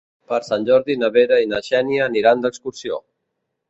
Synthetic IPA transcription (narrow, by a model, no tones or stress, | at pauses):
pəɾsanʲʒɔɾðinəβeɾəinəʃɛnjəːniɾand̪əkskuɾsio̰